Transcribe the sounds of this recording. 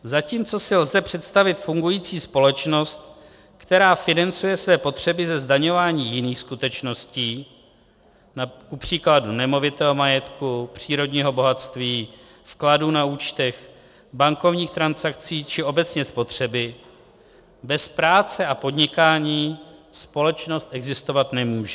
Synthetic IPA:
zaciːmt͡so̞sɪlzɛpr̝̥ɛt̪st̪avɪt̪fuŋɡujiːt͡siːspo̞lɛt͡ʃno̞st̪ | kt̪ɛɾaːfɪnant͡sujɛsvɛːpo̞t̪r̝̥ɛbɪzɛzdaɲo̞vaːɲiːjɪniːxskut̪ɛt͡ʃno̞sciː | nakupr̝̥iːkladunɛmo̞vɪt̪ɛːɦo̞majɛt̪kupr̝̥iːɾo̞dɲiːɦo̞bo̞ɦat̪st̪viː | fkladuːnauːt͡ʃt̪ɛx | baŋko̞vɲiːxt̪ɾansakt͡siːt͡ʃɪʔo̞bɛt͡sɲɛspo̞t̪r̝̥ɛbɪ | bɛspɾaːt͡sɛʔapo̞dɲɪkaːɲiːspo̞lɛt͡ʃno̞st̪ʔɛɡzɪst̪o̞vat̪nɛmuːʒɛ

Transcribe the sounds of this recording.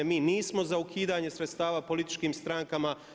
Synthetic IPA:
miːniːsmo̞zaukʰiːd̪aːɲe̞sɾt̪st̪aːʋaːpo̞lit̪i̥t͡ʃkiːmst̪ɾaːŋkama

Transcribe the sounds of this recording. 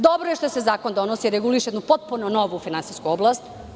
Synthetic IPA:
d̪obɾojeʃt̪osezaːkond̪o̞nosiiɾeɡuliʃjed̪nupot̪̚punonoʋufinansiskuoblˠast̪

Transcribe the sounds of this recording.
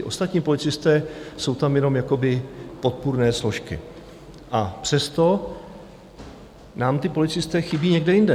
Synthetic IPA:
ɪʔo̞st̪at̪ɲiːpo̞lɪt͡sɪst̪ɛːso̞wt̪amjɛno̞mjako̞bɪpo̞t̪̚puɾnɛːslo̞ʃkɪ̰ | ʔapr̝̥ɛst̪o̞ | naːmt̪ɪpo̞lɪt͡sɪst̪ɛːxɪbiːɲɛɡdɛjɪndɛ

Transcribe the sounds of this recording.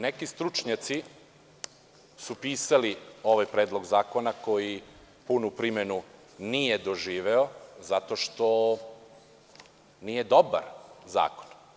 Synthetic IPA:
nekist̪ɾut͡ʃɲat̪si | supiːsalio̞ʋajpɾeːd̪lˠo̞ɡzaːko̞nako̞ji | punupɾimenu | nijed̪oʒiːʋeo̞zat̪o̞ʃt̪o̞ | nijed̪oba̰ɾza̰ːko̥n

